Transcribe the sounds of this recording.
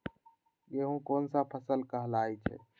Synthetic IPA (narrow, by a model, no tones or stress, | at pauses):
jeɦũkoːnsapʰəsəlkəɦlajt͡ʃʰɛ̰